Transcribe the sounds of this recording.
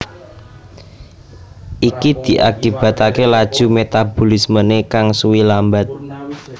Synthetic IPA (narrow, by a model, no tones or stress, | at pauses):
ʔikid̪̥i̤ʔakib̥a̤t̪akelad̥ʒ̥ṳmet̪ab̥olismənekaŋsuwilambat̪̚